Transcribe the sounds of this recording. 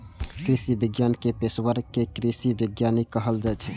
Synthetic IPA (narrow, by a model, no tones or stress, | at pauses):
kɾisibiɡjankepeswəɾkekɾisibiɡjanikəɦəld͡ʒat͡ʃʰɛ